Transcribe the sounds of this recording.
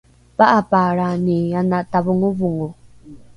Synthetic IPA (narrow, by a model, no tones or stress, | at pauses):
paʔapaɾanianataβuŋuβuŋu